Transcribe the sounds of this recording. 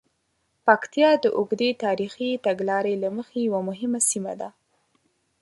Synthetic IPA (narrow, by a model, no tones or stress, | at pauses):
pakt̪ijɑd̪əʔʊɡd̪et̪ɑɾixit̪aɡlɑɾelaməxejawamʊɦɪmasima̰d̪a